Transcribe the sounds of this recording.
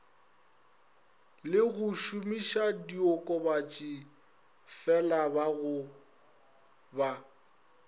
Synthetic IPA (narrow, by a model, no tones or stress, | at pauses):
lɪɣʊʃumiʃadiɔkʼɔbat͡ʃʼi | fɛlabaɣʊ | ba